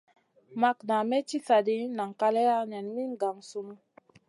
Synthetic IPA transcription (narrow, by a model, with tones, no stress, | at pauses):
ma˦kna˨mɛ˦t͡ʃi˦sa˨di˦na˨ŋ˨ka˦lɛ˦ja˦ɲa˨nmi˦ŋɡa˨ŋsu˦m˦